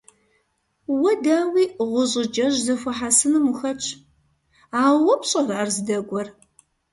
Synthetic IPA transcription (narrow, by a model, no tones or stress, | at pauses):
wɐdaːwiːʁʷʊʑʼɪd͡ʒɐʒzɐfʷɐħasɨnɨmuxɐt͡ʃʰʼ | aːwɐpɕʼɐrarzɨdɐɡʷʼɔr